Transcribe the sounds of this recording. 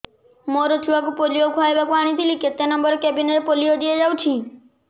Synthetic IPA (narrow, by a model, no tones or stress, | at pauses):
moɾɔt̪ʰuwakupoliokʰaebakuaɽ̃it̪ʰiliket̪enɔmbɔɾekɛbineɾepoliod̪ied͡ʒawt͡ʃʰi